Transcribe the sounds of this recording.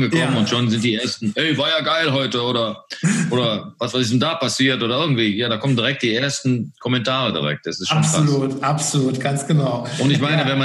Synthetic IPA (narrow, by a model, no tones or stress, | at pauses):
nɡəkʰɔmənʊntʃonzɪnt̚d̥iːʔeɐstn̩ʔɛʏvaːɐjaːɡaɪlɦɔʏtəoːɾɐʔoːɾɐvasv̥aɪsɪçsnʊndaːpasiːɐtʔoːɾɐʔɪɐɡŋ̩tv̥iːjaːɾaːkʰɔməndiʁɛk̚t̚d̥iːʔeːɐstn̩kʰɔmɛntʰaːʁədḭʁɛ̰k̚t̚d̥asɪstʃoʁ̥aluːtʔapsoluːtɡ̥ansɡ̥ənaʊʊntɪçmaɪnəvɛnma